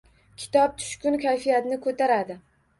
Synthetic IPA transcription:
kʲʰɪ̥t̪ʰɒp̚t̪ʰʊ̥ʃkʲʊnkʲʰajfijat̪nɪkʰot̪ʰaɾad̪ɪ

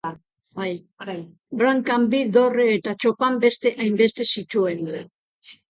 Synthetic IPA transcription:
baj | ɾaj | bɾaŋkambiðo̞reːt̪at͡ʃo̞pambe̞st̪e̞ʔajmbe̞st̪e̞sit͡ʃuena

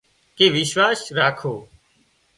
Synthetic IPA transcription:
keːʋɪʃʋaːsɾaːkʰoː

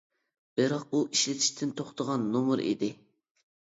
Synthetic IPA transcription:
b̥ɪɾɑq̚uʔiʃlɪt̪ʰɪ̥ʃt̪ʰɪnt̪ʰoχt̪ʰəʁɑnːomʊɾḭd̪ɪ

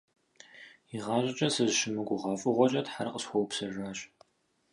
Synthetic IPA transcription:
iʁɑːɕʼɪt͡ʃʼɐsɨzʃɪmɨɡʷʊʁɑːfʼɨʁʷɔt͡ʃʼɐtħarqəsxʷɔwpsɐʒaːɕ

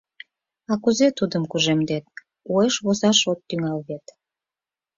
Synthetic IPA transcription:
ɑkuzet̪ud̪əmkuʒemd̪et̪̚ | oeʃβozɑʃot̪ːyŋɑlβet̪

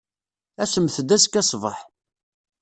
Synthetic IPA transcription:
æsəmθəd̪æskːæsˤvəħ

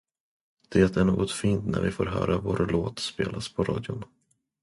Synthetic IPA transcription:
d̪̥ɛːt̪æɳoːɡɔt̪fiːnt̪næɾvɪfoːɾɦœːɾavoːɾloːt̪speːlʔaspʰɔɾɑːd̪jʊn

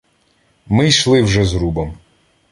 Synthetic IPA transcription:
mɪjʃlˠɪwʒɛzɾubɔm

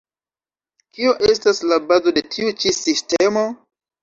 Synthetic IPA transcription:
kioʔestaslabazo̞de̞tʰiut͡ʃisistemo

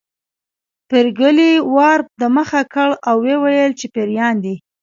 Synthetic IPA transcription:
peɾɡəliwɑɾd̪əməxakəɭawːewajəlt͡ʃepeɾjɑnd̪i

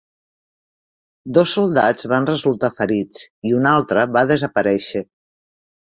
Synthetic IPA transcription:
d̪osːulˠd̪ad͡zβanrəzulˠt̪afəɾit͡siunalˠt̪ɾəβaðəzəpəɾɛʃə

